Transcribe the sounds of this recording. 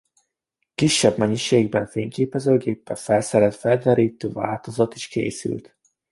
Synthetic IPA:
kiʃːɛbmɛɲiʃeːɡbɛɱfeːŋkeːpɛzøːɡeːpːɛfɛlsɛɾɛt̪fɛld̪ɛɾiːt̪øːva̰ːlt̪o̞zɒt̪i̥ʃkḛːsy̰lt̪

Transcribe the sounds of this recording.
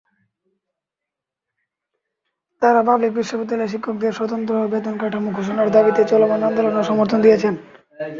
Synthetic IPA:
t̪aɾapablik̚biʃopot̪ileʃ̬ikʰːok̚d̪eɾʃɔt̪ont̪̬ɾoubed̪onkaʈʰamukʰoʃ̬onaɾd̪abit̪et͡ɕɔlomanand̪olonoʃɔmoɾt̪ʰond̪ijet͡ɕʰen

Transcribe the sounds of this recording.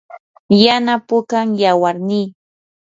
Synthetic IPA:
janapʊkaŋjawaɾniː

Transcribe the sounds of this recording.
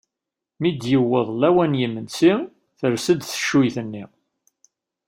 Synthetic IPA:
mid̪jəwːəðˤlæwænjimːənsi | θəɾsəd̪θə̥ʃːujθənːi

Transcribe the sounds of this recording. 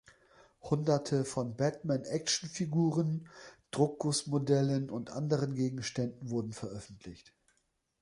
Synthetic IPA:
hʊndɐtʰəfɔnbɛtmɛnʔɛk̚ʃn̩fiɡuːʁənd̥ʁʊkːʊsmodɛlənʊntʔa̰ndəʁ̞ənɡeːɡŋ̩ʃtɛndn̩vʊɐdn̩fɛɐʔœfn̩tʰlɪçt

